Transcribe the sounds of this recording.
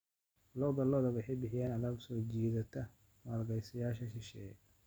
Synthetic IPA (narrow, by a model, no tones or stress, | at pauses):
lɔbɐlɔːðɐwɑħɛjbɪħɪjaːnɐlaːbsɔːd͡ʒiːðɐt̪ʰɐ | mɐːlɡɐjsɐjaːʃɐʃɪʃɛ̰ː